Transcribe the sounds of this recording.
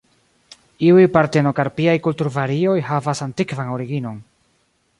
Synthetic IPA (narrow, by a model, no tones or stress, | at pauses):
iujpaɾteno̞kaɾpiajkultuɾvaɾio̞jhavasantikvano̞ɾiɡino̞n